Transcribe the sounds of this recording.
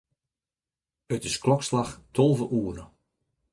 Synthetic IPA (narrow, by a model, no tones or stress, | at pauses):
ətɪsklɔkslaxtʰolˠvəʔuːərə